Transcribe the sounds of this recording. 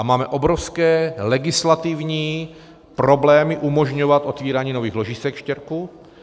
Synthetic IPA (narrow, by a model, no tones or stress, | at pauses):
amaːmɛʔobɾofskɛːlɛɡɪslat̪ivɲiː | pɾoblɛːmɪʔumoʒɲovat̪ʔot̪viːɾaːɲiːnoviːxlo̞ʒisɛkʃcɛɾku